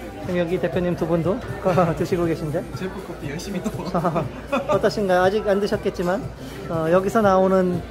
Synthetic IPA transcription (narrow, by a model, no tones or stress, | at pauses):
ʌmjʌɡite̞pʰjoɲimtubundokʌtɯɕʰiɡoɡe̞ɕʰinde̞t͡ɕeɭp͈uk͈op͈ijʌɭɕ͈imidoʌ | ʌt͈ʌɕ͈ʰinɡaad͡ʑiɡandɯɕʰʌt̚k͈e̞t̚t͡ɕ͈iman | ʌjʌɡisʰʌnaonɯn